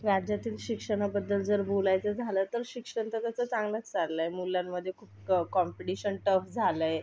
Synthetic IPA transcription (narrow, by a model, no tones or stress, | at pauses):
ʋjad͡ʑat̪iːlɕikʂəɽ̃abəd̪ːəld͡zəɾbolajt͡səd͡zʱalət̪əɾɕikʂəɳt̪at̪jat͡sat͡sãŋɡlat͡st͡salləemuljamːəd̪ʱːjekʰuːp̚kɔmpiʈiɕənʈəfd͡zʱaləje